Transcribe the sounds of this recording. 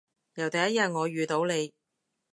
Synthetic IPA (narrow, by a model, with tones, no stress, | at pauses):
jɐ˨˩wt̪ɐ˨jɐ˥t̚jɐ˨t̚ŋɔː˨˧ɥyː˨t̪o˨˥wle˨˧j